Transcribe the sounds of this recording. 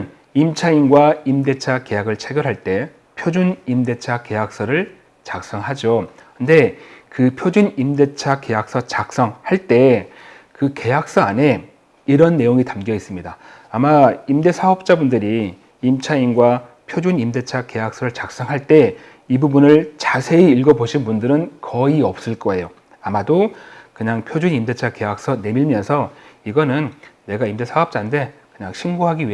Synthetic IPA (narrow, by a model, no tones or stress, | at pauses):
n | imt͡ɕʰainɡwaimde̞t͡ɕʰake̞jaɡɯɭt͡ɕʰeɡjʌɾɦaɭt͈e̞ | pʰjod͡ʑunimde̞t͡ɕʰake̞jak̚s͈ʌɾɯɭ | t͡ɕak̚s͈ʌŋɦad͡ʑo | kɯnde̞kɯpʰjod͡ʑunimde̞t͡ɕʰake̞jak̚s͈ʌt͡ɕak̚s͈ʌŋhaɭt͈e̞ | kɯke̞ɦak̚s͈ʌane̞ | iɾʌnːe̞joŋitamɡijʌis͈ɯmɲidaː | maimde̞sʰaɦʌp̚t͡ɕ͈abundɯɾi | imt͡ɕʰainɡwa | pʰjod͡ʑunimde̞t͡ɕʰake̞ɦak̚s͈ʌɾɯɭt͡ɕak̚s͈ʌŋɦaɭt͈e̞ | ibubunɯɭt͡ɕasʰe̞iiɭɡʌboɕʰinbundɯɾɯnkʌiʌp̚s͈ɯɭk͈ʌe̞jo | amadokɯɲaŋpʰjod͡ʑunimde̞t͡ɕʰake̞ɦak̚s͈ʌne̞miɭmjʌnsʰʌiɡʌnɯnː | e̞ɡaimde̞sʰaʌp̚t͡ɕ͈ande̞kɯɲaŋɕʰinɡoɦaɡiɥiɦe